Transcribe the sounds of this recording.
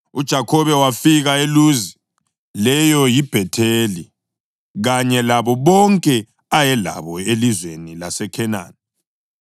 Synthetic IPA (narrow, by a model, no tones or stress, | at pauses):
ud̥ʒ̥ʱakʰɔβɛwafiɣaeluzi | lɛjɔjib̥ʱɛtʰeli | ɣaɲɛlaβɔβɔŋkʼɛ | ajɛla̰βɔelizwenilasɛkʰɛna̰ːnɛ